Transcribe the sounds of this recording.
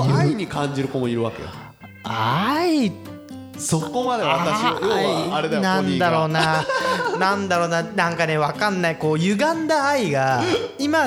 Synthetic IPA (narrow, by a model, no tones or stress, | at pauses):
aiiɲ̟ikãɲd͡ʑiɾɯ̟komoiɾɯ̟βake̞̰jo̰ | ai | sokomad̪eβat̪aɕijoaɾed̪anãnd̪aɾo̞ːna | nãnd̪aɾo̞ːnanãŋkane̞βakãnːaiko̞ːjɯ̟ɡãnd̪aːiɡaima